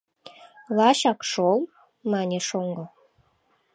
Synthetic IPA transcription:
lˠɑɕɑkʃol | mɑnʲeʃoŋɡo

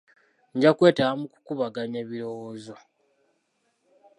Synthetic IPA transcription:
ɲɟakwe̞ːtaamuku̥kuβaɡaɲeβiɾo̞woːzo̞

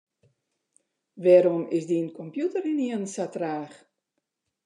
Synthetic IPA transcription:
ʋɛɾɔmɪsdiənkʰɔmpjutərɪniənsatraːx

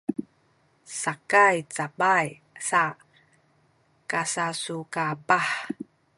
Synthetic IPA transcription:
sakajt͡sabaj | sa | kasasukabaħ

